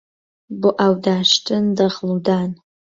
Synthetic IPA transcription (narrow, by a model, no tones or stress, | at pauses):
bʊʔawdaːʂtʰɨndɐʁludaːn